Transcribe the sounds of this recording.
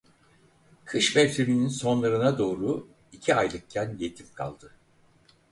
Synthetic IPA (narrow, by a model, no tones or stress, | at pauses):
kʰɯʃmɛvt̪ʰebininso̞nlˠaɾɯnad̪o̞ːɾu | icʰiajlˠɯk̚cʰænjet̪ʰimkʰa̰lˠd̪ɯ